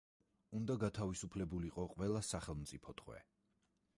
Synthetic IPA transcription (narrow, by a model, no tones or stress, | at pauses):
und̪aɡat̪ʰavisupʰlɛbuliqʼɔqʼwɛlˠasaχɛlˠmt̪sʼipʰɔt̪ʼχwɛ̰